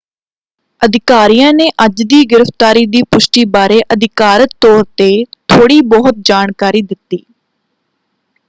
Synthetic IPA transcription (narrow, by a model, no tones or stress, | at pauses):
əd̪ɪkaːɾiːjãːneːʔəd͡ʒd̪iːɡɪɾəft̪aːɾiːd̪iːpʊʃʈiːbaːɾeːʔəd̪ɪkaːɾək̚t̪ɔːɾt̪eːt̪ʰoːɽiːbɔɦʊt̪̚d͡ʒaːɳkaːɾiːd̪ɪt̪ːiː